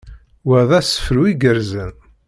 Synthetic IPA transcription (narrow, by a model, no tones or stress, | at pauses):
wəðæsə̥fɾuiɡəɾzən